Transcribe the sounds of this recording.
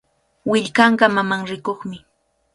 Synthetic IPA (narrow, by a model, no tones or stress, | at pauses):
wɪʎkɑɴɢɑmamaŋɾɪkoχmɪ